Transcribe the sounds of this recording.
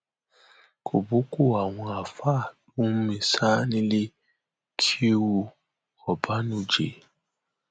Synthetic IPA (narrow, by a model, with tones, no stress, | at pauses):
kʰo˨bo˦ko˦˨a˨wɔ̃˨a˨fa˦˨d̥u˦m̩˦mĩ˨sa˦nĩ˦li˦ | kʰe˦wu˨ | ɔ˨ba˦nũ˨d͡ʒḛ˨